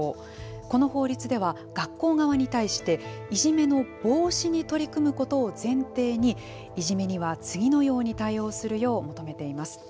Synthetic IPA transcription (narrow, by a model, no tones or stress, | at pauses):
ko̞no̞ho̞ːɾʲit͡sɨd̪e̞βa | ɡ̥akːo̞ːɡaβ̞aɲ̟it̪aiɕi̥t̪e̞iʑime̞no̞b̥o̞ːɕiɲ̟it̪o̞ɾʲikɯ̟mɯ̟ko̞t̪o̞ːzẽ̞nt̪e̞ːɲ̟i | iʑime̞ɲ̟iβat͡sɨɡʲino̞jo̞ːɲ̟it̪aio̞ːsɨɾɯ̟jo̞ːmo̞t̪o̞me̞t̪e̞imasɨ̥